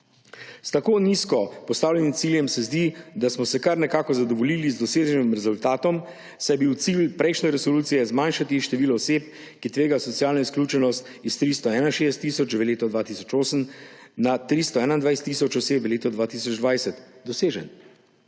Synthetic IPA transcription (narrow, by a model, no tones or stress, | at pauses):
st̪akoːniskɔpɔst̪aːwlʲɛnimt̪siːljɛmsɛzd̪id̪asmɔsɛkaɾnɛkaːkɔzad̪ɔʋɔliːlizd̪ɔseːʒənimɾɛzult̪aːt̪ɔm | sajɛbiwt̪silpɾɛjʃnɛɾɛsɔluːt̪sijɛzmanʃat̪iʃt̪ɛʋiːlɔːseːp̚ | kit̪ʋeːɡasɔt̪sijaːlnɔisklʲuːt͡ʃɛnɔst̪ | ist̪ɾist̪ɔɛːnaʃeːst̪ːiːsɔt͡ʃʋɛleːt̪ɔd̪ʋaːt̪isɔ̥t͡ʃoːsəmnat̪ɾist̪ɔɛːnaind̪ʋajst̪ːisɔt͡ʃɔseːpʋɛleːt̪ɔd̪ʋaːt̪iːs̬ɔd͡ʒd̪ʋajsɛt̪d̪ɔseːʒən